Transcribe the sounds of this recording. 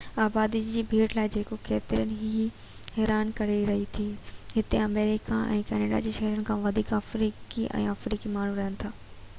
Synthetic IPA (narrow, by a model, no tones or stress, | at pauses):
aːbaːd̪id͡ʑd͡ʑiːbʱeːʈlaːɪd͡ʑeːkokeːt̪ɪɾənɪɦi | ɦɛːɾaːnkɐɾeɾɐɦit̪ʰiːɦɪt̪eɐmeːɾɪkaʔɛ̰̃ːkɛːneːɖa̰d͡ʑeːʃɐɦɾənɪ̆kʰãːʋɐd̪ʱiːkɐfɾiːkiʔɛ̰̃ːɐfɾiːkimaːɳ̤ũɾɐɦənɪt̪ʰaː